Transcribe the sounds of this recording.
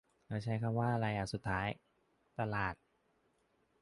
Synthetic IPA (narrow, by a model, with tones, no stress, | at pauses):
ka˧˩t͡ɕʰa˦˥jkʰa˧mwaː˥˩ʔa˧ɾaː˧jʔaː˨˩ksu˨˩t̪ʰːaː˦˥j | t̪a˧laː˨˩t̪̚